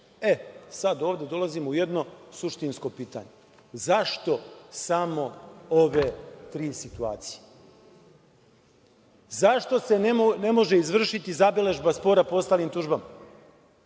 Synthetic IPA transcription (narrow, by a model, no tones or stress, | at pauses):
esad̪oːʋd̪e̞d̪o̞laziːmujed̪no̞suʃt̪insko̞piːt̪a̰ːɲe̞ | zaʃt̪o̞samo̞o̞ʋe̞t̪ɾiːsit̪ua̰ːt̪sije | zaʃt̪o̞se̞nne̞mo̞ʒeizʋr̩ʃit̪izabele̞ʒbaspo̞ːɾapoost̪aːlimt̪uːʒbama